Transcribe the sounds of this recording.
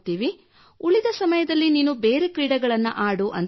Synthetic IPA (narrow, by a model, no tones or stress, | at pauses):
t̪iːʋi | uɭid̪ɐsɐmɐjɐd̪ɐlːiniːnube̞ːɾekɾiːɽɐɡɐɭɐnːṵʔaːɽuʔɐ̰n